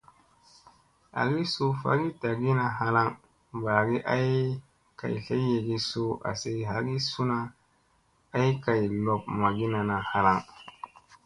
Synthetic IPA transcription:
a̰˨ɡi˦su˦fa̰˦ɡi˦ta˨ɡi˦na˨ha˦la˦ŋ | ba˨ɡi˦ʔa˦j | ka̰˨jɬa˦jːe˨ɡi˦so˦a̰˨se˦ɦa˨ɡi˦su˦na˦ | a˦jka˨jlo˨p̚ma˨ɡi˦na˨na˨ha˦la˦ŋ

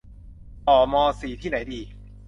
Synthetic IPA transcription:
t̪ɔː˨˩mɔː˧siː˨˩t̪ʰiː˥˩na˩˦jdiː˧

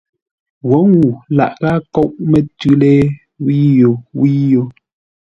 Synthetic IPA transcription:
wo˨˦ŋwu˨la̰˨ʔɣa˦kɔ˦ʔmɛ˨tʉ˦lɛ˦ | wi˦jo˨wi˦jo˨

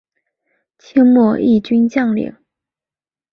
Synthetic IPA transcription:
t͡ɕʰi˥ŋmɔ˥˧ʔi˥˩t͡ɕy˥nt͡ɕjɑ˥˩ŋlḭ˨˩˦ŋ

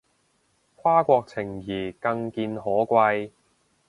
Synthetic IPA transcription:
kʷʰaː˥kʷɔː˧k̚t͡sʰɪ˨˩ŋjiː˨˩kɐ˧ŋkiː˧nhɔː˨˥kʷɐ˧j

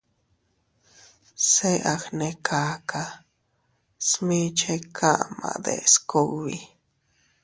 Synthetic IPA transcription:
se˦ʔa˨xne˧kʰaː˦kʰa˧ | smĩ˦t͡ʃe˦kʰa˦ʔmã̰˨d̪ḛ˨sko˦wi˨

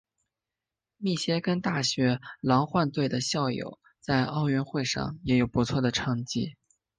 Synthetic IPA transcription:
mi˥˩ɕjɛ˥kə˥nt̪a˥˩ɕɥɛ˧˥lɑ˧˥ŋxwa˥˧nt̪we˥˩ɪd̪ə˩ɕjɑ˥˩ʊjo̰˨˩ʊ | t͡sa˥˧ɪʔɑ˥˧ʊɥɛ˥˧nxwe˥˧ɪʂɑ̰˥˩ŋjɛ˧˥jo˨˩ʊpu˧˥t͡sʰwɔ˥˩d̪ə˩ʈ͡ʂʰɑ˧˥ŋt͡ɕi˥˩

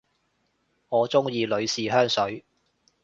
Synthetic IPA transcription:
ŋɔː˨˧t͡sʊ˥ŋjiː˧lɵ˨˧ɥsiː˨ɦœː˥ŋsɵ˨˥ɥ

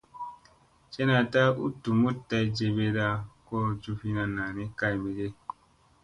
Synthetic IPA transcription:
t͡ʃe˦na˨ta˦ṵ˦tu˨mu˦tːa˧i˦d͡ʒe˧be˦da˧ko˦d͡ʒu˧fi˦na˨na˨ne˦ka˦jme˨ɡe˦

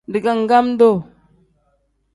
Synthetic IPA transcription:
ndi˨ka˦ŋ˨ɡa˦m˦do˦˨

